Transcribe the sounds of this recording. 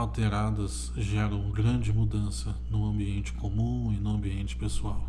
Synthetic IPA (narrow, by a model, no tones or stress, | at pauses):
awt̪eɾad̪ɐs | ʒɛɾɐ̃w̃ɡɾɐ̃d͡ʒɪmud̪ɐ̃sɐnʊɐ̃mbiẽnt͡ʃɪ̥komũɪnʊɐ̃mbiẽnt͡ʃɪ̥pesuaw